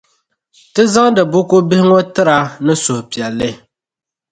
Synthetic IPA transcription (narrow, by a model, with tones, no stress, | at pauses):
tɨ˦za˦ŋdɨ˨bʊ˦ko˦bɪ˦hɪ˦ŋo˦tɨ˦ɾa˦nɨ˦sʊ˨hʊ˨pi˨ɛ˨lːɨ˦